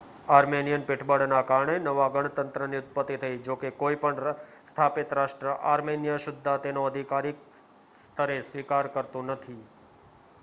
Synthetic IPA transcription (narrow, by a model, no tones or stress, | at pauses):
aɾmenijənpɪʈʰbəɽnakaɾəɳenəʋaɡəɳ̃t̪ənt̪ɾəniʊt̪̚pət̪ːit̪ʰəid͡ʒokekoipəɳ | st̪ʰapɪt̪ɾaʃʈɾəʔaɾmenijəʃʊd̪ʱːat̪enõəd̪ʱikaɾik̚ | st̪ʰəɾesʋikaɾkəɾt̪ũnət̪ʰi